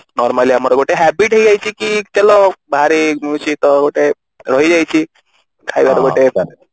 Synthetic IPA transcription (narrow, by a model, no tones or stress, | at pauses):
nɔɾmaliamɔɾɔkoʈeɦɛbiʈɦeid͡ʑajt͡ɕikiːt̪ɛlɔbʱaɾimusit̪ɔkoʈe | ɾɔɦid͡ʑajt͡ɕiː | kʰajd̪aɾɔɡoʈetaɾ